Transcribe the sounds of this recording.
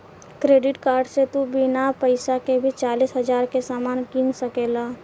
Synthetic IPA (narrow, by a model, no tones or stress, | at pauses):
kɾeːɖɪʈkaːɾɖset̪ubinapəɪsakebʱit͡ʃaːliːsɦəd͡ʒaːɾkesaːmaːnkĩnsəkeːlaː